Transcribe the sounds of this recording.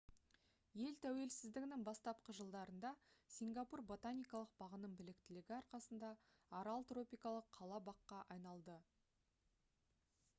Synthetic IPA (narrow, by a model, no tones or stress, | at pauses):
je̞lt̪ʰæwe̞lsɪzd̪ɪɡʲɪnɪŋbɑst̪ɑp̚qəʒəlˠd̪ɑɾənd̪ɑsʲiŋɡɑpurbo̞t̪anʲijkɑlˠəq̚b̥ɑʁənəmbɪlɪkt̪ɪlɪɡʲɪɑɾqɑsənd̪ɑː | ɾalˠt̪ro̞pʲijkɑlˠəqʰːɑlˠɑbɑqːɑʔɑjnɑlˠd̪ə